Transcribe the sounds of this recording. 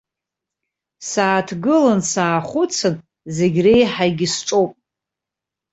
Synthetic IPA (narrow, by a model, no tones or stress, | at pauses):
saːtʰɡɨlansaːχʷʊt͡sʰɨn | zeɡʲrejħaɡʲisʈ͡ʂʼowpʼ